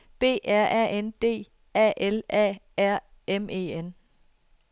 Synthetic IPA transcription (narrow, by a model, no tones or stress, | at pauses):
b̥e̝̰ːʔæɐ̰ɛ̰end̥e̝̰ː | ɛ̰ːʔelɛ̰ːæɐ̰ | emʔe̝̰ːen